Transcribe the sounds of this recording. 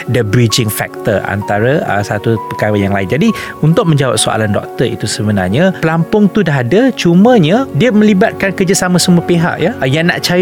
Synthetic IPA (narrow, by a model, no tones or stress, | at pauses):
dəbɾid͡ʒɪŋfɛ̰k̚t̪əra̰nt̪aɾaə̰sat̪upəkaɾajaŋlaɪnd͡ʒadi | unt̪ʊk̚mə̃ɲd͡ʒawa̰p̚soa̰landɔ̰k̚t̪ərḭt̪usəbənarɲapəlampʊŋt̪udaɦadat͡ʃumə̃ɲãdiəmə̃libat̪̚kankərd͡ʒasamãsəmuəpeɦa̰ʔjajana̰ʔt͡ʃaj